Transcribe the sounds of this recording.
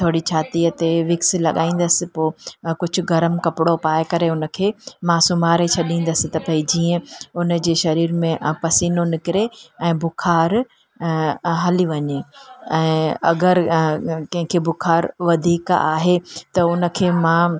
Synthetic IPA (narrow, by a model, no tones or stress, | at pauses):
t̪ʰoːɽit͡ɕʰaːt̪iət̪eʋɪks̆lɐɠa̰ːĩːn̆d̪əsɪ̆poːkʊd͡ʑʱʊ̆ɡɐɾəmkɐpɪɽopaːjkɐɾeʊnə̆kʰeːmãsʊmaːɾet͡ɕʰɐɗĩːn̆d̪əsɪ̆t̪ɐpɐid͡ʑiːə̃ʊnəd͡ʑeːʃɐɾiːɾmẽpɐsiːnonɪkɪɾeɛ̃ːbʊkʰaːɾ | ɦɐliʋɐɲeɛ̃ːɐ̰ɡəɾkɐ̃ɦɪ̃kʰebʊkʰaːɾʋɐd̪ʱiːka̰ːɦet̪ɐʊnə̆kʰeːmãː